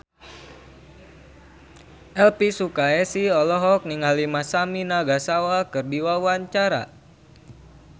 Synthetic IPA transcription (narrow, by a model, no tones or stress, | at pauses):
ʔɛlpisukaɛsiɔlɔɦɔk̚niŋalimasaminaɡasawakɨrdiwawaɲt͡ʃaɾa̰